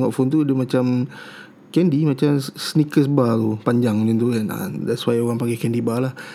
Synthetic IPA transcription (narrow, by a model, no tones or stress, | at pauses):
ŋɔʔfɔnt̪uadəmat͡ʃam | kɛndimat͡ʃamsnikəs̬bat̪upaɲd͡ʒaŋnint̪uɛna̰dɛtswajoɣaŋpaŋɡɛkɛndibalah